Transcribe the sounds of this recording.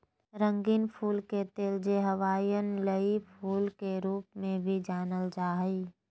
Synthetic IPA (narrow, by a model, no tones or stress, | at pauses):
ɾə̃ŋɡinpʰuːlket̪eːld͡ʒeɦəʋaːjənləipʰuːlkeɾuːpmẽbʱid͡ʒaːnəld͡ʒaːɦiː